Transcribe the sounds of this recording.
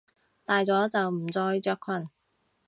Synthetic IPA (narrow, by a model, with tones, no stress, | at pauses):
t̪aː˨jt͡sɔː˨˥t͡sɐ˨wm̩˨˩t͡sɔː˧jt͡ʃœː˧kʰwɐ˨˩n